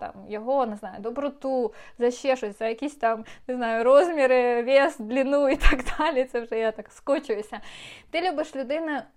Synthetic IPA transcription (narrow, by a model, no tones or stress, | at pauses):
t̪a̰mjɔɦɔnɪznajʊd̪ɔbɾɔt̪uzɐɕːɛʂɔsʲzɐjɐkʲisʲt̪amnɪznajʊɾɔzmʲɪɾɪʋʲesd̪lʲinuit̪aɡd̪alʲit̪sɛwʐɛjat̪akskɔt͡ʃʊjʊsʲɐt̪ɪlʲubɨʂlʲʊd̪ɪnɐ